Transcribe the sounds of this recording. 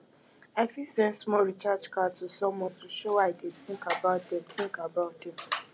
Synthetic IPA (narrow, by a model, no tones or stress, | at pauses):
aɪfisɛ̃nsmɔɾit͡ʃat͡ʃkatusɔ̃mwɔtuʃowaɪdedθĩŋkabaʊt̚dɛm̩θĩŋkabaʊt̚dɛm